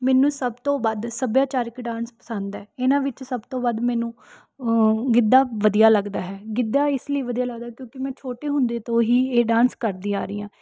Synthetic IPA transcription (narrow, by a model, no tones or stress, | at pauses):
mɛːnũːsəbt̪õːbəd̪səbjaːt͡ʃaːɾɪkɖãːnspə̥sə̃nd̪ɛːɪnãːʋɪt͡ʃsəbt̪õːbəd̪mɛ̃ːnũː | ɡɪd̪ːaːʋəd̪ijaːləɡd̪aːɦɛːɡɪd̪ːaːɪsləiːʋəd̪ijaːləɡd̪aːkjõːkɪmɛ̃ːt͡ʃʰoːʈeːɦʊ̃nd̪eːt̪õːɦiːeːɖãːnskəɾd̪ĩːa̰ːɾiːãː